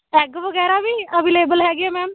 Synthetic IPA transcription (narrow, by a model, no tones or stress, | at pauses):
ɛːɡʋəɡɛːɾaːbiːəbileːbəlɦɛːɡeaːmɛ̃ːm